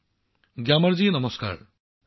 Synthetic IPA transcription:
ɡjamɐɾzinʌmɔska̰ːɾ

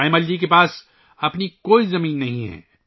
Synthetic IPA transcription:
aemɐld͡ʒik̬epaːs | ɐpnikoːizɐmiːnːɐɦĩɦɛ̰ː

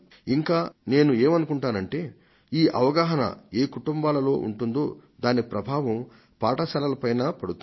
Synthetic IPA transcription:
iŋkaːne̞ːnueːmɐnukuɳʈaːnɐɳʈe̞ː | iːʔɐʋɐɡaːɦɐnɐ̰eːkuʈumbaːlɐlo̞ːʔṵɳʈund̪o̰ːd̪aːnipɾɐbʱaːʋɐm | paːʈɐsɐlɐlɐpɐjnaːpɐɽut̪

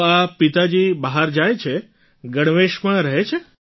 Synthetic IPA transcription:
apit̪ad͡ʒibaɦaɾd͡ʒajt͡ʃʰe | ɡəɽ̃ʋeʃmãɾəɦet͡ʃʰe

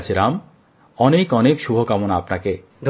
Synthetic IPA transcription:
t͡ɕʰiɾam | ɔnekɔnekʃubʱokamonaapnake | d̪ʱ

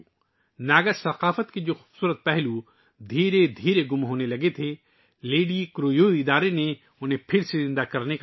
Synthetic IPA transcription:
naːɡəsɐqaːfət̪kid͡ʒoːxuːbsuːɾət̪̚pɛɦlu | d̪ʱiːɾed̪ʱiːɾeɡʊmɦoːnelɐɡet̪ʰe | leːɖikɾoːjoːɪd̪aːɾene | ʊnɦẽpʰɪɾsezɪ̃nd̪akɐɾnek

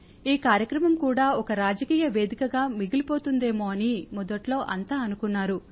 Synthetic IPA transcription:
iːkaːɾjɐkɾɐmɐmkuːɽaːɔkɐɾaːd͡ʒɐkiːjɐʋe̞ːd̪ikɐɡaːmiɡilipo̞ːt̪und̪e̞ːmo̞ːɐnimɔd̪ɐʈlo̞ːʔɐnt̪aːɐnukunːaːɾu

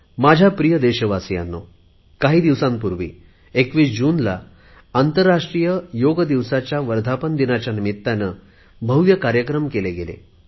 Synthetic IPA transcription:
mad͡ʑʱapɾijəd̪eɕəʋasja̰nːo | kaɦiːd̪iʋsãmpuɾʋḭː | ekʋiːsd͡ʑuːnla̰ː | nt̪əɾːaʂʈɾijəjoɡd̪iʋsat͡ɕjaʋəɾd̪ʱapənd̪inat͡ɕjanimit̪ːanə | bʱəwʋjəkaɾjəkɾəmkeleɡelḛ

